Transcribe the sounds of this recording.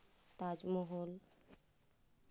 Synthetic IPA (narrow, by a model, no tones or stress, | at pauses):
t̪ad͡ʒmɔɦol